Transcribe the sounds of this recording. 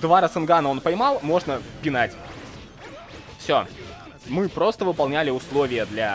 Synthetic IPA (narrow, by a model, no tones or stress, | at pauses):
d̪vaɾəsɨnɡanəo̞npəjmɑlˠmo̞ʐnəpʲɪnatʲ | fsʲo̞̰ | mɨpɾo̞st̪əvɨpɐlˠnʲælʲɪʊslˠo̞vʲɪjəd̪lʲa